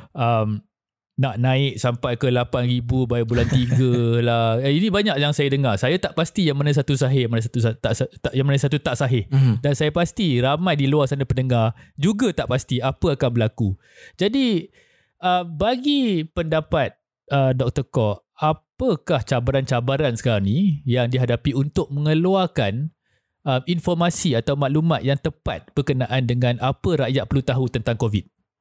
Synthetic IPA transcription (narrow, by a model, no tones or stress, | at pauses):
ʔəm | naʔnãɪk̚sampajkəlapanɾibubajbulant̪iɡəlahinĩbaɲaʔjaŋsajadəŋarsajat̪aʔpast̪ijaŋmənasat̪usaɦɪhjamənas̬at̪usat̪aʔsat̪aʔjaŋmənãsat̪ut̪aʔsaɦɪhdansajapast̪iɾamãjdiluarsanapənəŋard͡ʒuɡat̪aʔpast̪iapəakanbəlaku | d͡ʒadi | ʔəbaɡipəndapat̪̚ | ədɔk̚t̪ɔkɔʔ | apəkaht͡ʃabaɾant͡ʃabaɾansə̥kaɾaŋnĩjaŋdiɦadapiunt̪ʊk̚mə̃ŋəluarkan | əminfɔrmasiat̪awmãʔlumãt̪̚jaŋt̪əpa̰t̪̚b̥ərkənaʔandəŋãnapəɾaʔjaʔ̪̚pəlut̪aɦut̪ənt̪aŋkovit̪̚